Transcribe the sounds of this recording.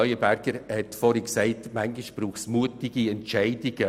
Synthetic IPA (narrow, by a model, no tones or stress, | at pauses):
œʏəbæɾɡ̥əɾhɛtfɔɾiksɛɪtmaŋɡɪʃb̥ɾuːχsmuətɪɡiɛntt͡ʃɛɪdɪɡ̥ə